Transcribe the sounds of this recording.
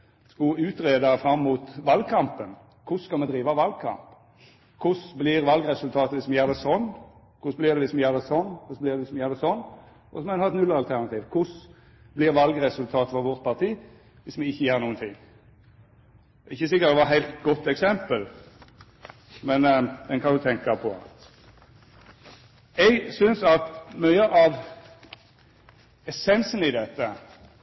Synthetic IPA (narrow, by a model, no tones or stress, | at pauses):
skʊʉːt̪ɾeːd̪ɑfɾɑmːuːt̪ʋɑlɡ̚kʰɑmpən | kʰʊsskɑlmɛd̪ɾiːʋɑʋɑlɡ̚kʰɑ̰mp | kʰʊsblɪʁʋɑlɡɾɛsʉlt̪ʰɑːt̪əʋɪsmɛjæːʁd̪ɛsɔnː | kʰʊsblɪʁd̪ɛʋɪsmɛjæːʁd̪ɛsɔnːkʰʊsblɪʁd̪ɛʋɪsm̩ɛjøːʁd̪ɛsɔnː | ɔsmɛnhɑɛt̪nʉlɑlt̪ʰæʁnɑt̪ʰiːʋkʰʊs | blɪʁʋɑlɡɾɛsʉlt̪ʰɑːt̪əfɔɾʋɔʁt̪̚pʰɑʁt̪ʰiː | ʋɪsmɪɪçːəjøːʁnuːənt̪ʰɪŋ | ɪçːəsɪkːəʁtd̪ɛʋɑɾɦæɪlt̪ɡɔt̪ːɛksɛmpəl | mɛnd̪ɛnkʰɑnd̪ʉt̪ʰɛŋkɑpʰɔɑ̰t̪ | ɛɡsʏnsɑt̪myʏəʔɑʋ | ɛsɛnsənɪd̪ɛt̪ːə